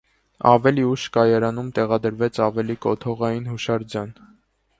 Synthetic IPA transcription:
ɑ̰vɛliuʃkɑjɑɾɑnumt̪ɛʁɑd̪əɾvɛt͡sʰɑvɛlikɔt̪ʰɔʁɑjinhuʃɑɾd͡zjɑn

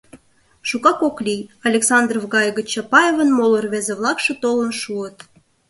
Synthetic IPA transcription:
ʃukɑkoklʲijɑlʲeksɑnd̪rovɡɑjɣə̆t͡ɕɑpɑjevənmolərβezeβlˠɑkʃĕt̪olənʃuət̪

